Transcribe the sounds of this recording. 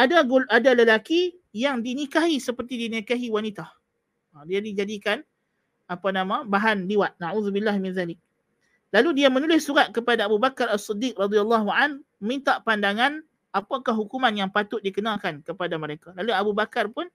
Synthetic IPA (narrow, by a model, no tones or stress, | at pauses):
ʔadaɡʔadaləlaki | jaŋdinikaɦisəpərt̪idinikaɦiwanit̪ah | diadid͡ʒadikan | apanamãbaɦanliwat̪̚naʕuðubilːahmɪnðalɪk̚ | laludiamənulɪsːuɾat̪̚kəpadaːbubakaɾasːid̪ik̚rɑd̪ialːɑɦuanəmint̪aʔpandaŋan | apakaɦukumanjaŋpat̪ʊt̪̚dikənakankəpadaməɾekalaluabubakarpʊn